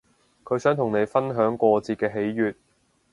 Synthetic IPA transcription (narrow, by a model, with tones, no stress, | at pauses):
kʰɵ˨˧˥sœː˨˥ŋt̪ʰʊ˨˩ŋne˨˧jfɐ˥nɦœː˨˥ŋkʷɔː˧t͡siː˧kɛː˧ɦe˨˥jːyː˨t̚